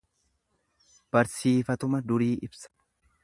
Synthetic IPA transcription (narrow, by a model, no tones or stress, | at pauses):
b̥ɐɾsiːfɐt̪ʊmɐd̪ʊɾiːʔɪbsɐ̥